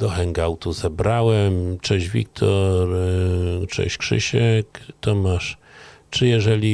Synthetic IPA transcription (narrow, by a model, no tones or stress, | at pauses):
d̪ɔxɛŋɡawt̪uzɛbɾawɛmt͡ʂɛʑvʲḭk̚t̪ʰɔɾ | t͡ʂɛ̰ɕkʂɘ̰ɕɛkt̪ɔmaʂ | t͡ʂɘjɛʐɛlʲi